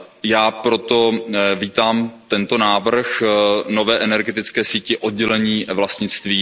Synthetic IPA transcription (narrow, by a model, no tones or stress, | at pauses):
jaːpɾo̞t̪o̞viːt̪aːmt̪ɛnt̪onaːvr̩xnovɛːʔɛnɛɾɡɛt̪ɪt͡skɛːsiːcɪʔod̪̚ɟɛlɛɲiːvlast̪ɲɪt͡st̪viː